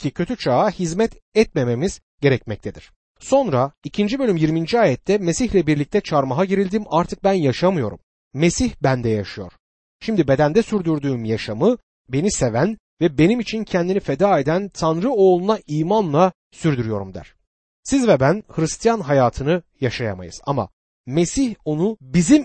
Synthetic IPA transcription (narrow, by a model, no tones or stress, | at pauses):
cʰicʰø̞t̪ʰyt͡ʃʰaːhizmɛt̪ɛt̪meme̞miz̥ | ɟ̥e̞ɾɛcmɛc̚t̪ʰed̪iɾ̥ | so̞nɾaicʰind͡ʒibø̞lʲymjiɾmind͡ʒiaːjɛt̪ʰːɛmesiçlʲɛbiɾlʲic̚t̪ʰɛt͡ʃʰaɾmaɦaɟeɾilʲd̪iːmaɾt̪ʰɯk̚bænjaʃamɯjo̞̰ɾṵmː | e̞siçbænd̪ɛjaʃɯjo̞̰ɾ̥ | ʃimd̪ibe̞d̪ænd̪ɛsyɾd̪yɾd̪yːmjaʃamɯ | be̞nise̞væn | vɛbe̞nimit͡ʃʰincʰɛnd̪inifed̪aːe̞d̪ænt̪ʰanɾɯo̞ːlˠunaʔiːmanlˠa | syɾd̪yɾyjo̞ɾumd̪æ̰ɾ̥ | sizvɛbænhɯɾist̪ʰijanɦajaːt̪ʰɯnɯjaʃajama̰jɯ̰z̥a̰ma̰ | me̞siço̞nubizim